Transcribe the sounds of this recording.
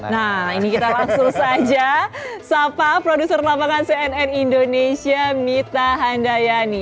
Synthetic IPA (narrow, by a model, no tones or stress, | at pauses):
nainikit̪alaŋsʊŋsad͡ʒasapapɾodusərlabaŋanseɛnɛnindonesiamit̪aɦandajani